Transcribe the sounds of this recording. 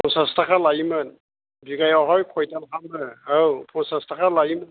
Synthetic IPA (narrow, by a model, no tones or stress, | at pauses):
pʰonsɑst̪ɑqɑlˠɑjmən | biɡɑjɑʁɑjqʰojt̪ɑlˠʁɑnbəawpʰonsɑst̪ɑqɑlˠɑjmən